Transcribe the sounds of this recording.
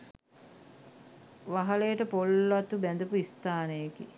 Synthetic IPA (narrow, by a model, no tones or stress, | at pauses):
ʋaɦalejəʈəpolat̪ubænd̪əpuist̪aːnəjeki